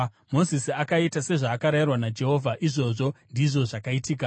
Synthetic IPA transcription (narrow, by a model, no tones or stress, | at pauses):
mo̞zisiakaitase̞ʐaːkaɾajirwanad͡ʒe̞ɦo̞vʱaʔiʐo̞ʐo̞ndiʐo̞ʐakaitiːka